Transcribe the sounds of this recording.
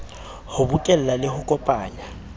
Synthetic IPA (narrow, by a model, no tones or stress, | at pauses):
hʊbʊkʼɛl̩lalɪhʊkʼɔpʼaːɲa